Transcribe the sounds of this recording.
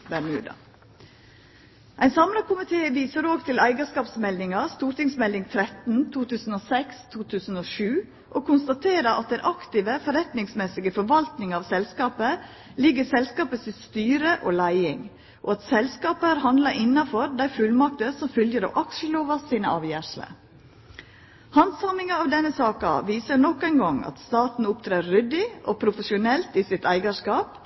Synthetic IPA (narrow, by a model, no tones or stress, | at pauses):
bæɾnʉ̰ːd̪ɑ̰ | ʔæɪnsɑmlɑkʰʊmɪt̪ʰeːʋiːsəɾoːɡt̪ʰɪlæɪɡəskɑːpsmɛld̪ɪŋɑst̪uːɾt̪ɪŋsmɛld̪ɪŋt̪ʰɾɛt̪n̩t̪ʰuːt̪ʉːsn̩oːsɛkst̪ʰuːt̪ʰʉːsn̩oːʃʉː | ʔoːkʰʊnst̪ɑt̪ʰeːɾəɾʔɑ̰t̪̚d̪ɛnʔɑkt̪ɪːʋəfɔɾɛt̪nɪŋsmɛsɪɡəfɔɾʋɑlt̪nɪŋɑːʋsɛlskɑːpə | lɪɡːəsɛlskɑːpəsɪst̪yːɾəʔoːlæɪɪŋ | ʔoɑt̪sɛlskɑːpəæɾhɑnd̪lɑʔɪnːɑfɔɾd̪æɪfʉlmɑk̚t̪əsɔmfʏljəɾɑ̰ʋʔɑkʃəloːʋɑssiːnə̰ʔɑːʋjæːʂlə̰ | hɑnsɑnɪŋɑɑːʋd̪ɛnːəsɑːkɑ̰ʋiːsənɔkːæɪnɡɑŋɑ̰t̪st̪ɑːt̪n̩ʊpt̪ʰɾeːʏd̪ɪʔopʰɾʊfəʃʊnɛlt̪ɪsɪt̪æɪɡɑʂkɑːp